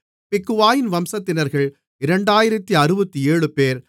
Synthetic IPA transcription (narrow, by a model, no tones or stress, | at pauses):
pɪkːɯʋaːjɪnʋɐmsɐt̪ːɪnɐɾɣɐɭ | ɪɾɐɳɖaːjɪɾɐt̪ːiɐɾɯbɐt̪ːieːɻɯpeːɾ